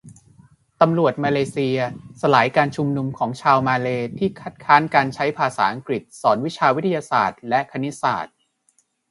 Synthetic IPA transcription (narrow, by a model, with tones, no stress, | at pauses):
t̪a˧mɾu˨˩ət̪̚maː˧leː˧si˧ɐsa˧laː˩˦jkaː˧nt͡ɕʰu˧mnu˧mkʰɔː˩˦ŋt͡ɕʰaː˧wmaː˧leː˧t̪ʰiː˥˩kʰa˦˥t̪̚kʰaː˦˥nkaː˧nt͡ɕʰa˦˥jpʰaː˧saː˩˦ʔa˧ŋkɾi˨˩t̪̚sɔː˩˦nwi˦˥t͡ɕʰaː˧wi˦t̪ʰa˧jaː˧sa̰ː˨˩t̪̚lɛ˦˥ʔkʰa˧ni˦˥sa̰ː˨˩t̪̚